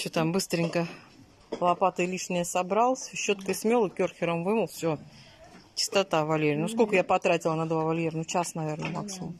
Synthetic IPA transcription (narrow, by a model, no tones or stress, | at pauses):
ɕot̪ambɨst̪ɾʲɪnʲkə | lˠɐpat̪əɪlʲiʂnʲɪjəsɐbɾalˠəsʲɕːo̞t̪kəɪsmʲelˠɨkʲorxʲɪɾəmvɨməlˠfsʲo | t͡ɕɪ̥st̪ɐt̪avɐlʲeɾʲɪjnuskolʲkəjapɐt̪ɾatʲɪlˠənɐd̪vavɐlʲjeɾənut͡ɕasnɐvʲe̞rnəmaksʲɪmʊ̰m